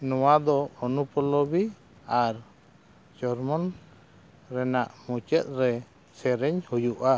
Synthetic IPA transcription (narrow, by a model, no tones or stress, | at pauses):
nɔwad̪ɔɔnupɔlɔbi | aɾ | d͡ʒɔɾmɔn | ɾɛnaʔmut͡ʃɛt̪̚ˀɾɛ | sɛɾɛɲhujuʔa